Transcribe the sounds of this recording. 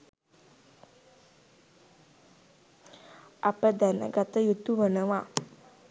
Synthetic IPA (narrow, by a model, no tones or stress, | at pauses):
apəd̪ænə̰ɡat̪əjut̪uʋənəʋa